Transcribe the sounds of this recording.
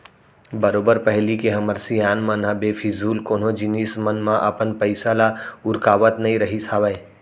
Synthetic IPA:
bəɾoːbəɾpəɦlikeɦɐməɾsijaːnmãnɦãbefʰizuːlkoːnɦõd͡ʒɪniːsmənmãʔɐpənpəɪsalaʊɾkaːʋət̪nɐɦĩɾɐɦisʰaːʋəe

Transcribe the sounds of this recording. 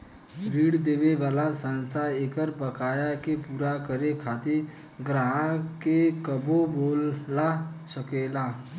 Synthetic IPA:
bʱiːɽd̪eːʋeʋaːlasə̃nst̪ʰaeːkəɾpəkaːjakepuːɾakəɾekʰaːt̪ɪɾ | ɡɾaɦãkekəboboːlasəkeːlaː

